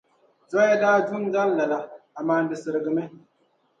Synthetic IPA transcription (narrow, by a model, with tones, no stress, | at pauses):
tɔ˦ja˦daː˦du˦n˦za˦n˦la˨la˨a˨maː˨n̩˦bɨ˨sɨ˨ɾɨ˨ɡɨ˨mɨ˦